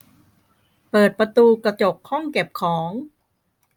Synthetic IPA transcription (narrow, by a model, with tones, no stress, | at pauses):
pɤː˨˩t̪̚pɾa˧t̪uː˧kɾa˧t͡ɕo˨˩k̚ʰhɔ˥˩ŋke˨˩p̚kʰɔː˩˦ŋ